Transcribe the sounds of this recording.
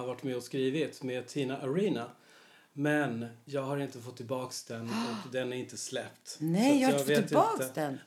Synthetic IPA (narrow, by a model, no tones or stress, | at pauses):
aɾvaʈːmɛɔskɾiːvɪt̪meːd̪̚t̪ʰiːnaʔaɾiːna | mɛnjɑːɡɦaɾɪnt̪əfɔt̪ʰːɪlbɑːksd̪ɛnːɔd̪ɛnæɾɪnt̪əslɛpt̪nɛjɑhaveːt̪ɑːk̪əd̪ɛn